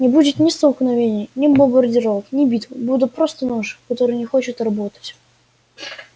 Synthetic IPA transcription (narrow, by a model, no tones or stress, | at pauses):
nʲɪbudʲɪt̪nʲɪst̪əlˠxnɐvʲenʲɪjnʲɪbəmbərdʲɪɾovəknʲɪbʲit̪vɨbud̪ʲʊt̪̚pɾost̪ənoʂɨkɐt̪oɾɨjnʲɪxot͡ɕɪt̪rɐbot̪ə̥tʲ